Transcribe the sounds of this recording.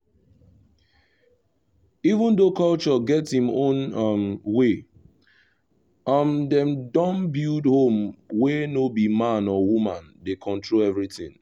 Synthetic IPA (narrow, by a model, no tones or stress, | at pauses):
ivə̃ndokʰʌlt͡ʃɔɡɛthĩmõnʌmwe | ʌmdɛ̃mdɔ̃nbildhõmwɛnobimãnɔwumãndekʰɔ̃ntʰɹolɛvɹitɪ̰̃ŋ